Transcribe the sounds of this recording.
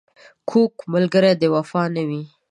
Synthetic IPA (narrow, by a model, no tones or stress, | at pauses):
kʰokmʊlɡəɾad̪əwafɑnawi